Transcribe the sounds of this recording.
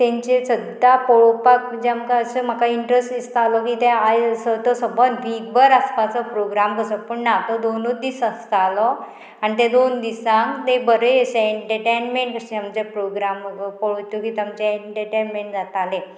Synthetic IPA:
t̪ẽɲt͡ɕesəd̪apɔɭɔpak̚d͡ʑeamkaəsəm̤akaiɳʈɾesʈist̪alɔkit̪eajsət̪ɔsəbənʋikbəɾəspat͡sɔpɾoɡɾamkəsəpəɳnat̪ɔd̪onud̪isəst̪alɔ | añit̪ẽd̪ond̪isãŋt̪ebəɾeeseeʈəʈenmẽɳʈkəɕẽamt͡ɕepɾoɡɾampɔɭot̪ukiːt̪amt͡ɕeeɳʈəʈenmeɳʈd͡zat̪alẽ

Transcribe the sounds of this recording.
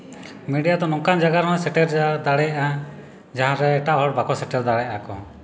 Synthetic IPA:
miɖijad̪ɔnɔŋkand͡ʒaɡaɾɦɔ̃sɛʈɛɾd͡ʒad̪aɽɛjaʔa | d͡ʒaɦãɾɛːʈaɦɔɽ̚bakɔsɛʈɛɾd̪aɽɛjaakɔ̰

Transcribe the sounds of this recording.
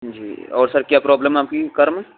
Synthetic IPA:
d͡ʒḭːɔːɾsɐɾkjaːpɾɔːbləmaːp̚kikɐɾmɛ

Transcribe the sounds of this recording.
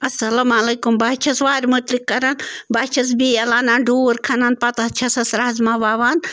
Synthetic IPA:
ɐsɐlɐmalɐːkumbaːt͡ʃʰɐsʋaːɾmut̪likːɐɾɐnbaːt͡ʃʰɐs̬biɐlaːnanɖʱoːɾkʰɐnanpɐt̪ɐt͡ʃʰɐsɐsɾaːzmaʋaːʋaːn

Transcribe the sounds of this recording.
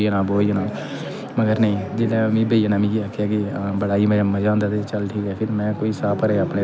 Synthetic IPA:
iənãːboːiənãː | məɡəɾnəĩːd͡ʒɪlãːmĩːbəːijənãːmĩːeaːkʰːjaːkibəɽaːiːmə̃əmːãːd͡ʒãːnd̪aːt̪ʰeːt͡ʃəlʈʰiːkɛːpʰɪɾmɛ̃ːkoːiːsaːpəɾeapneː

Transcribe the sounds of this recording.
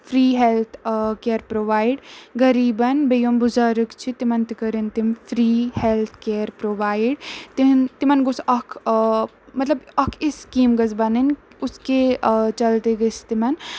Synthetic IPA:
fʰɾiːɦelt̪ʰkeːɾpɾoːʋaːiɖɡɐɾiːbɐnbejombuzɐɾɨkt͡ʃʰit̪imɐnt̪ikɐɾint̪imfʰɾiːhelt̪ʰkeːɾpɾoːʋaːiɖt̪int̪imɐnɡusɐkʰ | mɐt̪lɐbɐkʰiskiːmɡɐzbɐnin | ʊsket͡ʃɐlt̪eɡɐst̪imɐn

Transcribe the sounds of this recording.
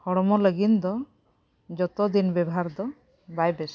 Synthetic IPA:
hɔɽɔmɔləɡint̪ɔ | d͡ʒɔt̪ɔd̪inbɛbɔɦaɾd̪ɔ | bajbes

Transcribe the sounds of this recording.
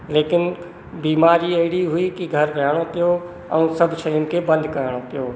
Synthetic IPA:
lekɪn | biːmaɾiəɦɽiɦuikiɡʱəɾːəɦəɽ̃õt̪ijo | ə̰ũsəbʱt͡ʃʰəɪnkebə̃nd̪ʱkəɦəɽ̃õt̪ijo

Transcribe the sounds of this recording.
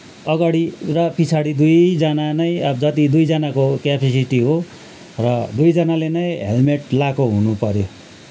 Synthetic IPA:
ʌɡaɽirʌpit͡sʰaɽid̪ujd͡zʌnanʌj̃ʌbd͡zʌt̪id̪ujd͡zʌnakokjapʰesiʈiɦo | rʌd̪ujd͡zʌnalenʌj̃ɦḛlmeʈlakoɦunupʌɾjo

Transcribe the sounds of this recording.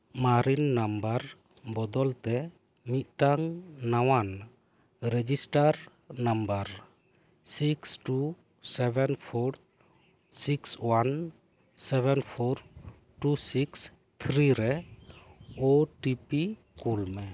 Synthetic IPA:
maɾinːambaɾ | bɔd̪ɔlt̪ɛ | mit̪̚ʈaŋːawan | ɾɛd͡ʒisʈaɾ | nambaɾ | siksʈu | sɛbɛnpʰɔɾ | sikswan | sɛbɛnpʰɔɾ | ʈusiks | t̪ʰɾiɾɛ | oʈipi | kulmɛ

